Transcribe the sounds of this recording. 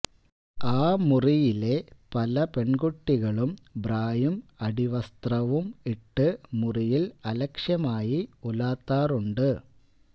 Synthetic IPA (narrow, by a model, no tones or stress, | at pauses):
aːmurijile̞pɐlɐpe̞ɳɡuʈːiɣɐɭumbraːjumɐɽiʋɐst̪rɐʋumiʈːɨmurijilɐlɐkʂjɐmaːjiulaːt̪ːaːruɳɖɨ